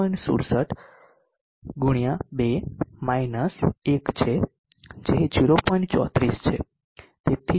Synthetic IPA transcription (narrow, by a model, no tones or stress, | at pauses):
əɳsṵɾsəʈ | ɡuɽ̃jabemainəsekt͡ʃʰe | d͡ʒeɦd͡ʒiɾopɔnt͡ʃɔ̰t̪ɾist͡ʃʰe | t̪et̪ʰi